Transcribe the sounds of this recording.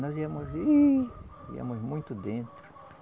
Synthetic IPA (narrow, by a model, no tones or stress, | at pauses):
nɔziɐmʊzi | ḭɐ̰̃mʊzmũj̃t̪ʊd̪ẽnt̪ɾʊ